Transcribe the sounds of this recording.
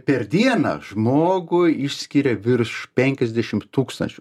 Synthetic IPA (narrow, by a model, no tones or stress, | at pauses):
pʲɛɾd̪ʲiɛnɐ̰ːʒmoːɡʊɪʃʲsʲkʲiɾʲɛʋʲɪɾʃpʲɛŋʲkʲɛzʲd̪ʲɛʃʲɪmt̪uːkst̪ɐ̰nʲt͡ʃʲʊ